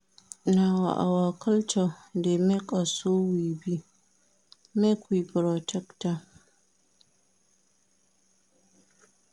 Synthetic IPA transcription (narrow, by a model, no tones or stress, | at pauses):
nawa̰ʔa̰waːkʰɐltadoːmikʼasoːwiːbi | mekʷipɾotʰɛkta